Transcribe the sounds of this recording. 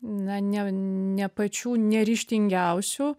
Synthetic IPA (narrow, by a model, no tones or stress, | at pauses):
nɐnʲɛnʲɛpɐt͡ʃʲuːnʲɛɾʲiːʃʲt̪ʲɪŋʲɡʲɛʊsʲu